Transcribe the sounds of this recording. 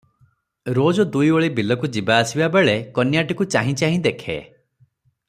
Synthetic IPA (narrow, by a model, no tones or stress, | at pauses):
ɾod͡ʒɔd̪ujoɭibilɔkud͡ʒibaːsibabeɭekɔnjaʈikut͡ʃaɦĩt͡ʃaɦĩd̪ekʰḛ